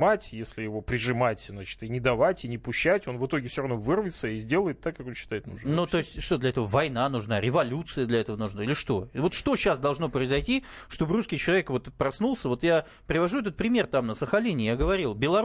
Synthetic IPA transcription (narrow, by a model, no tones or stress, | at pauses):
matʲjesʲlʲɪjɪvopɾʲɪʐɨmatʲznat͡ɕɪ̥t̪ɨnʲɪd̪ɐvatʲɪnʲɪpʊɕːætʲo̞nvɨt̪o̞ɡʲɪfsʲoɾɐvno̞vɨrvʲɪt̪səizʲdʲe̞lˠəjɪt̪ːakːako̞nɕːɪ̥t̪ajɪt̪nṵʐnnut̪o̞ɪsʲtʲʂt̪o̞d̪lʲɐɛt̪əvəvɐjnanʊʐnaɾʲɪvɐlʲut̪sɨjəd̪lʲɐɛt̪əvənʊʐnailʲɪʂt̪o̞vo̞t̪ʂt̪o̞ɕːasd̪ɐlˠʐno̞pɾəɪzɐjtʲi | ʂt̪o̞bɨruskʲɪjt͡ɕɪlˠɐvʲekvo̞t̪pɾɐsnulˠsʲəvo̞t̪ja | pɾʲɪvɐʐuɛt̪ət̪̚pɾʲɪmʲert̪amnəsəxɐlʲenʲɪjaɡəvɐɾʲilˠbʲɪlˠɐ